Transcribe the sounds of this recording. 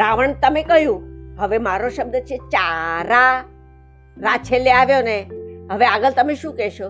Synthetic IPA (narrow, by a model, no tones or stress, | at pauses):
ɾaʋəɳt̪əmekəɦjũɦəʋemaɾoʃəb̚d̪ət͡ʃʰet͡ʃaɾa | ɾat͡ʃʰeleaʋjoneɦəʋeaɡəlt̪əmeʃũkɛʃo